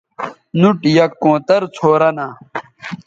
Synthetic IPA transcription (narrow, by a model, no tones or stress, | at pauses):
nuʈjɐkːõːt̪ɐɾt͡sʰoːɾɐnaː